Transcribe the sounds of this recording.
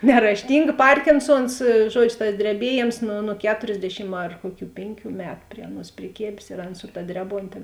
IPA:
nʲɛrɐʃʲˈtʲɪŋɡɐ ˈpɐrʲkʲɪnˌsuɔns ˈʒuɔd͡ʒʲʊ tɐs dʲrʲɛˈbʲiɛˌjeːms nʊ nʊ ˈkʲæːtoːrʲzʲˌdʲæːʃʲɪm ɐr ˈkuɔˌkʲuː ˈpʲeːŋʲˌkʲuː ˈmʲæːtʊ ˈpʲrʲiɛ ɐˌnuɔs pʲrʲɪˈkʲeːbʲeːs ɪr ˈɑːˌnɐ sʊ tɐ ˈdʲrʲæːˌboːnʲtʲeː

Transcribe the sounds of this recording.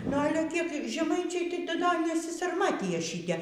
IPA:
nʊ ˈɑːlʲɛ kʲiɛk ʒʲɛˈmɐɪt͡ʃʲɛɪ tɐɪ tʲɪ dɐ nʲɛsʲiːsɐrˈmɑːtʲɪjɛ ˈʃʲiːtʲɛ

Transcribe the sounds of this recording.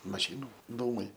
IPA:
mɐˈʃʲiːnʊ ˈduːmɐɪ

